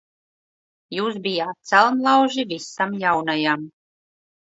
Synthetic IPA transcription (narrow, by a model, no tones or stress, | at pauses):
juːsbijaːt̪̚t̪sɛlˠmlˠawʒivisamjawnajam